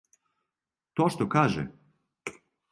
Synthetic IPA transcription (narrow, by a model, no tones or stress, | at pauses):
t̪oʃt̪okaːʒɛ̰